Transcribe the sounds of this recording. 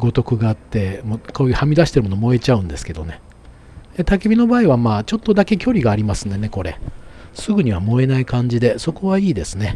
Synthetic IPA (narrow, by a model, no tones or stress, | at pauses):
ɡo̞t̪o̞kɯ̟ɡaːt̪ːe̞mokoːjɯ̟hamʲid̪aɕi̥t̪eɾɯmo̞nomo̞e̞t͡ɕaɯ̟̃nd̪e̞sɨ̥ke̞d̪o̞ne̞ | t̪akebʲino̞baːiβamaːt͡ɕo̞t̪ːod̪ake̞kʲo̞ɾʲiɡaːɾʲimasɨ̃nd̪e̞ne̞ko̞ɾe̞̰sɨɡɯ̟ɲ̟iβ̞amo̞e̞naikãɲ̟d͡ʑid̪e̞so̞ko̞βaiːd̪e̞sɨne̞